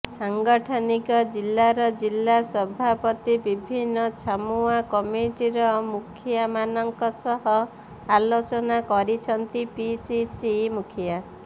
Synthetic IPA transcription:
saŋɡɔʈʰɔnikɔd͡ʒilːaɾɔd͡ʒilːasɔbʱapɔt̪ibibʱinːɔt͡ʃʰamuakɔmiʈiɾɔmukʰjamanɔŋkɔsɔɦɔ | alot͡ʃɔnakɔɾit͡ʃʰɔnt̪ipisisimukʰja

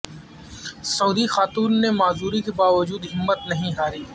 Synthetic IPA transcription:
sɐuːd̪ixaːt̪uːnːemaːzuːɾikebaːʋəd͡ʒuːd̪ɦɪmːət̪nɐɦĩɦaːɾiː

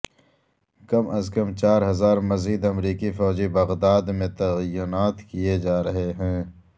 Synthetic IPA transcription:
kɐmɐzkɐmt͡ʃaːɾɦɐzaːɾmɐziːd̪ɐmɾiːkifɔːd͡ʒibɐɣd̪aːd̪mẽt̪ɐjʊnaːt̪kijed͡ʒaːɾɐɦeɦɛ̃ː

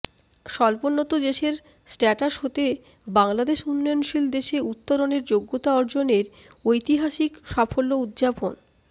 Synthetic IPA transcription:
ʃɔlponːot̪od̪eʃeɾ | sʈɛʈaʃɦot̪e | baŋlad̪eʃunːɔjonʃild̪eʃeut̪ːoɾoneɾd͡ʑoɡːot̪aɔɾd͡ʑoneɾ | ojt̪iɦaʃikʃafolːoud̪d͡ʑapon

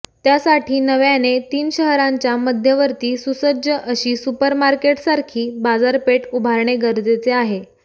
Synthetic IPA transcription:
t̪jasaʈʰiːnəʋjanet̪iːnɕəɦɾãɲt͡ɕjaməd̪ʱjəʋəɾt̪iːsusəd͡ʑəʔəɕiːsupəɾmaɾkeʈsaɾkʰiːbad͡zaɾpeʈubʱaɾɳeɡəɾd͡zet͡seaɦe

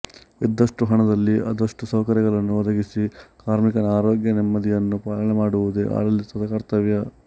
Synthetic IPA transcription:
id̪ːɐʂʈuɦɐɳɐd̪ɐlːiʔɐ̰d̪ɐʂʈusɐwkɐɾjɐɡɐɭɐnːuɔd̪ɐɡisikaːɾmikɐnaːɾoːɡjɐnɛmːɐd̪ijɐnːupaːlɐɳɛmaːɽuʋud̪eʔa̰ːɾɐlːit̪ɐd̪ɐkɐɾt̪ɐʋjɐ

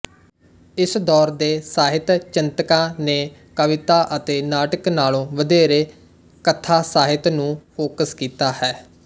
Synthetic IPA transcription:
ɪsd̪ɔːɾd̪eːsaːɦɪt̪t͡ʃɪnt̪əkãːneː | kəʋɪt̪aːʔət̪eːnaːʈəknaːlõːʋəd̪eːɾeː | kət̪ʰaːsaːɦɪt̪nũːpʰoːkəskiːt̪aːhɛː

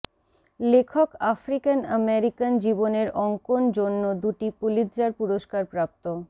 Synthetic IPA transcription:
lekʰokafɾikanəmeɾikand͡ʑiboneɾɔŋkond͡ʑonːod̪uʈipulid͡ʑɾaɾpuɾoʃkaɾpɾap̚t̪o

